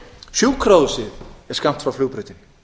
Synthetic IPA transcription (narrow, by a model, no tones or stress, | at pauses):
sjuːwkʰɾoːðsɪðɛɾ̥skam̥t̪fɾawfluːɣpɾʏːt̪ɪn